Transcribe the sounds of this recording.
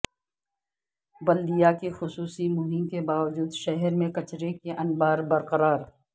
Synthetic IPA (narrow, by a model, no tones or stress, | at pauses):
bɐld̪ijakexʊsuːsimʊɦɪmkebaːʋd͡ʒuːd̪ʃɛɦɛɾmẽkɐt͡ʃɾekeʔɐnbaːɾbɐɾqəɾaːɾ